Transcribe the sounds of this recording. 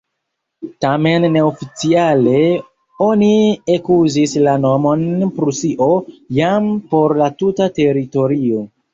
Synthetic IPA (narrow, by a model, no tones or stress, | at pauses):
tame̞nːe̞ofit͡siale̞ | o̞niekuzislano̞mo̞npɾusiʔo̞jampo̞ɾlatutate̞ɾito̞ɾio̞